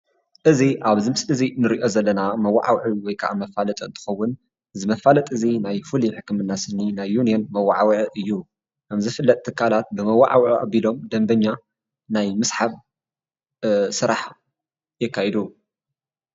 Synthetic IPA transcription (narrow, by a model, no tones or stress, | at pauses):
ʔɨziʔaβzɨmsɨzinɨɾiʔo̞zɐlːɐnamɐwːa̰ʕawʕɨwɔjkʰɐʔa̰mɐfalɐt̪ʼɐɨnt̪ʰɨ̥xɐwːʊn | zɨmɐfalɐt̪ʼɨzinajfuliħɨkːɨmɨnːasɨnːinajːunijonmɐwːaʕawʕɨjːu | kʰɐmzɨfɨlːɐt̪ʼt̪ʰːɨkʰːalat̪̚bɨmɐwa̰ʕawʔʔa̰bilo̞md̪ɐmbɐɲːa | najmɨsħaβ | sɨɾaħ | jɪkːajɛd̪u